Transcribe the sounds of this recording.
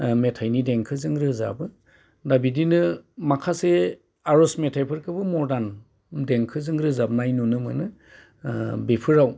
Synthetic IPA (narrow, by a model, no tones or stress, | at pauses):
metʰajnideŋkʰɯzɯŋɾɯza̰bɯ | dabidinɯmakʰase | aɾɔsmetʰajpʰɯɾkʰɯbɯmɔɾdan | deŋkʰɯzɯŋɾɯzab̚najnunɯmɯ̰nɯ | bepʰɯɾaw